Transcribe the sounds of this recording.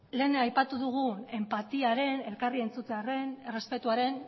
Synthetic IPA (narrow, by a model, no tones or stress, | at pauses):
le̞ːneajpat̪uðuɣ̞ue̞mpat̪iaɾe̞ne̞lkarie̞nt͡sut͡s̪eare̞nere̞spe̞t̪uaɾe̞n